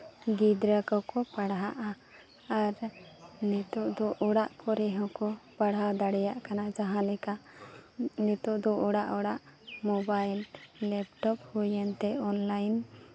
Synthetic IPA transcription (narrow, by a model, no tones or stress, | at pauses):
ɡid̪ɾakɔkɔpaɽɦaʔa | aɾnɛt̪ɔʔd̪ɔʔɔɽaʔkɔɾɛɦɔ̃kɔpaɽɦad̪aɽɛjaʔkanad͡ʒaɦãlɛka | nɛt̪ɔʔd̪ɔʔɔɽaʔɔɽaʔmɔbajllɛp̚ʈɔp̚hujɛnt̪ɛɔnlajn